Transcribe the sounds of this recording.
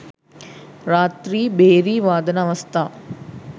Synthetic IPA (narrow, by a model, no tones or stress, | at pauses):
ɾaːt̪ɾiːbeːɾiːʋaːd̪ɐnɐːʋɐst̪ʰaː